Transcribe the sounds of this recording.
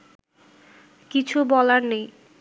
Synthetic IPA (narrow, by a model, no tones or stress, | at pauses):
kit͡ɕʰubɔlaɾnej